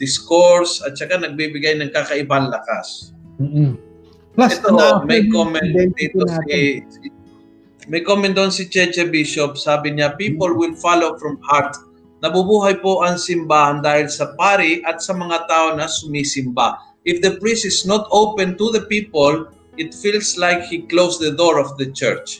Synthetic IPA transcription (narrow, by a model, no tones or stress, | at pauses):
d̪̥ɪskoɹsɐt̪̚t͡ʃɐkanɐɡ̚bibɪɡajnɐŋkakɐʔɪbanlɐkas | ɛt̪omɐjkomɛn̚dd̪it̪oi | mɐjkomɛn̚d̪oonsɪt͡ʃɛt͡ʃɛbɪʃop̚saːbɪɲapiːpolwɪlfalowfɹɐmhaɹt̪̚ | nabubuhajpoʔãnsĩmbãːnd̪ailsapaɾiʔat̪samaŋat̪aonasumisĩmba̰ | ifd̪əpɹĩsisnot̪ʰowpɛ̃nt̪uðəpipol | it̪filslajkhiklowsðəd̪oɹɔfðət͡ʃɛ̰ɹt͡ʃ